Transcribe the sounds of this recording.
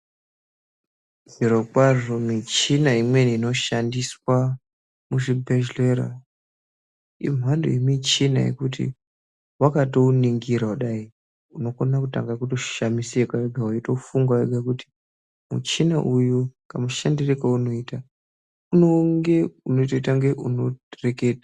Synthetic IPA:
ziɾokwaʐomit͡ʃinaimwe̞niːno̞ʃandiswa | muʐibʱeʃleɾa̰ | ḭmwando̰jemit͡ʃina̰jḛkutḭ | wakatouniŋɡiɾauɗai | uno̞konakuta̰ŋɡakuto̞ʃamisekwaeɡʱawaitoufuŋɡwaeɡʱakuti̥ | mṵt͡ʃina̰ʔujukamuʃandirekauno̞ita | unoŋɡe̞unoitoitaŋɡe̞ʔuno̞reke̞ːta

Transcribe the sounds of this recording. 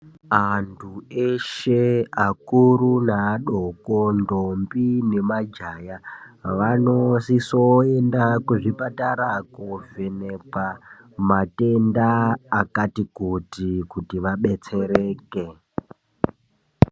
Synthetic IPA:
antʰueʃeakuɾunaːɗoko̞ndombine̞mad͡ʒaːjaʋanosisoendakuʐipataɾakovenepa | mate̞ndaːkatikotikutiʋaɓe̞t͡se̞ɾeːke̞

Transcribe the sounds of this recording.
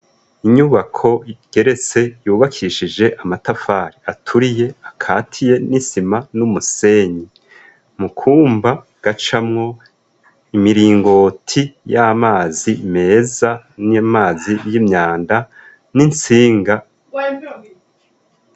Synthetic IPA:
iɲuβakʰo̞ɡ̥e̞ɾe̞t͡se̞juːβakʰiʃid͡ʒe̞ʔamatafaːɾiatʰuɾije̞akʰaːtʰije̞nisimanumuse̞ːɲi | mukʰuːmba | ɡ̥at͡ʃamŋo̞ | imiɾiːŋɡo̞tʰijamaːzime̞ːza | nimaːzijimɲaːnda | nint͡siːŋɡa

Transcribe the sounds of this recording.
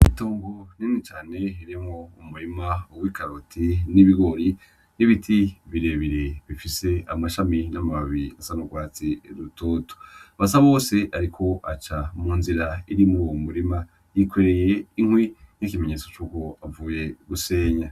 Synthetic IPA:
ito̞ːŋɡoninit͡ʃaːne̞iɾimŋoumuɾimaowikaɾotʰiniβiɡo̞ɾi | niβitʰiβiɾeβiɾeβifise̞amaʃaminamaββiasanoɡwaːt͡siɾutoto̥βasaβoːse̞ʔaɾikʰo̞at͡ʃamuːnziɾaiɾimuɾuwomuɾima | jikweɾe̞je̞iŋ̥hwin̥ikime̞ɲe̞ːt͡so̞t͡ʃuːko̞avuːje̞ɡuse̞ːɲa

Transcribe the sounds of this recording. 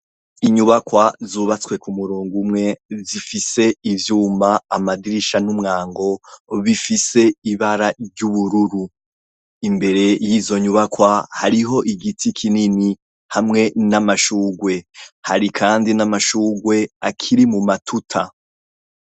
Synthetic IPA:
iɲuβakwazuːβat͡skwe̞kumuɾuːŋɡumŋe̞zifise̞ivjuːmaːmadiɾiʃanumŋaːŋɡo̞βifise̞iβaɾaɟuβuɾuɾu | imbe̞ɾe̞jiːzo̞ɲuβakwahaɾiɦo̞ʔiɡitikʰinini | hamŋe̞namaʃuːɡwe̞haɾikʰaːndinamaʃuːɡwe̞akʰiɾimumatʰutʰa

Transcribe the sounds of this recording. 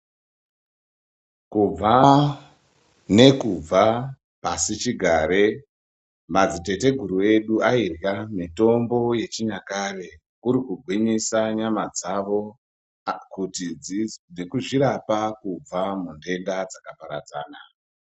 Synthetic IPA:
kub͡va | ne̞kub͡va | pasit͡ʃiɡʱaːɾe̞ | mad͡zite̞te̞ɡʱuɾue̞ɗuairjamito̞mbo̞je̞t͡ʃiɲakare | kuɾikuɡʱwiɲisaɲamad͡zaʋo̞ | kutid͡zinekuʐiɾapakub͡vamunde̞ndad͡zakapaɾad͡za̰ːna

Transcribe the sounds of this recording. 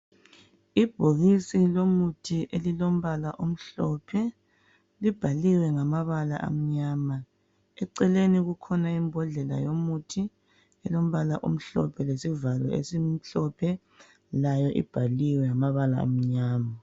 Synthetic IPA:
ib̥ʱoɣisilomutʰiʔelilom̩βalaʔum̩ɬɔpʰɛ | lib̥ʱaliwɛŋamaβala̰ʔa̰m̩ɲaːma | ɛǀɛleniɣukʰɔnaimbʱɔɮɛla̰jomutʰi | ɛlom̩βalaʔum̩ɬɔ̰pʰɛlesivalɔ̰ʔḛsim̩ɬɔpʰɛ | lajɔʔḭb̥ʱaliwɛŋamaβala̰ːm̩ɲaːma

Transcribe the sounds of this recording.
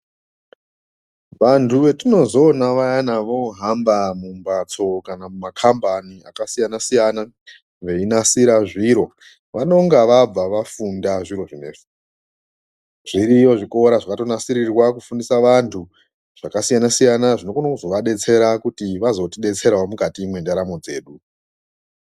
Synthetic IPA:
ʋantʰuʋe̞tino̞zo̞naʋajanaʋo̞ɦambamumbat͡so̞kanamumakʰambania̰kasijanasijana | ʋe̞inasiɾaʐiɾo̞ | ʋano̞ŋɡaʋab͡vaʋafundaʐiɾo̞ʐine̞fu | ʐ̥iɾijo̞ʐiko̞ɾaʐakato̞nasiɾirwakufundisaʋantʰu | ʐ̥akasijanasijanaʐinoɡonakuzo̞ʋaɗe̞t͡se̞ɾakutiʋazo̞tiɗe̞t͡se̞ɾaomukatiːmwe̞ndaɾamo̞d͡ze̞̰ːɗu

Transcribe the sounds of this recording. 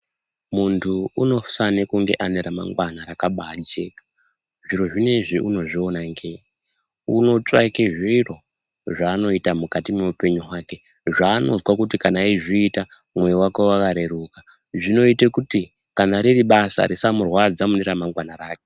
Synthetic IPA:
muntʰuuno̞sanekuŋɡe̞̰ʔaneɾama̰ŋɡwanaɾakaɓaːd͡ʒe̞ːkḁ | ʐiɾo̞ʐine̞ʐiʔuno̞ʐio̞naŋɡei | ṵno̞t͡ʂa̰keʐiro̞ | ʐaːno̞itamukatimeupe̞ɲuɦwaːke̞ | ʐaːno̞zwakutikanaiʐiːta | mwejiwake̞wakaɾe̞ɾuka | ʐino̞itekuti | kanaɾiriɓasa̰ɾisamurwad͡zamuneɾamaŋɡwanaɾaːke

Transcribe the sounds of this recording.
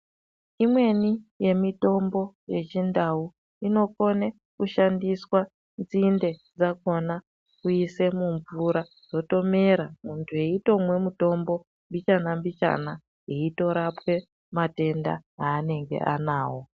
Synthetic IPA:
imwe̞nije̞mito̞mbo̞je̞t͡ʃindau | ino̞ko̞ne | kuʃandiswa | nd͡zinde̞d͡zako̞na | kuise̞muɱvuɾa | z̥o̞to̞me̞ɾamuntʰue̞ito̞mwe̞muto̞mbo̞ | mbit͡ʃanambit͡ʃa̰na | eito̞ɾapwe̞ | mate̞nda̰ɦaːne̞ŋɡe̞̰ʔa̰naːwo̞

